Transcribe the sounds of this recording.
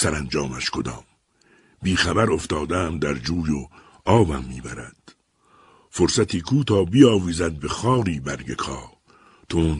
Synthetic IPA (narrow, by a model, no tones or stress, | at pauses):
sæɾænd͡ʒɒːmæʃkʰod̪ɒːm | biːxæbæɾo̞ft̪ɒːd̪æmd̪æɾd͡ʒuːjo | ɒːbæmːiːbæɾæd̪̥ | foɾsæt̪ʰiːkʰuːt̪ʰɒːbiːɒːviːzæd̪̚bexɒːɾiːbæɾɡekʰɒː | t̪ʰon